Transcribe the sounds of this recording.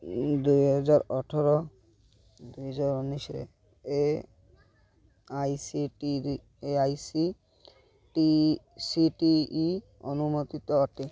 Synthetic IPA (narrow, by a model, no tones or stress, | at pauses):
d̪ujɦɔzaɾɔʈʰɔɾɔ | d̪ujɦɔzaɾunisɔɾḛ | e | ajsiʈii | eajsi | ʈi | siʈiː | ɔnumot̪it̪ɔɔʈi